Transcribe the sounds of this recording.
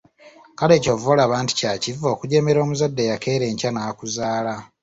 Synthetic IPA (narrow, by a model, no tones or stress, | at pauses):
kale̞ːcovolaːβaːnti̥cacivo̞ːkuɟe̞me̞ɾo̞ːmuzadːe̞jake̞ːɾe̞ːɲcanaːkuzaːla